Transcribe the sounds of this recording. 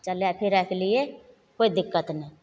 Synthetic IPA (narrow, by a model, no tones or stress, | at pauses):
t͡ʃəlapʰɪɾɛkʰlie | koːid̪ɪkːət̪ne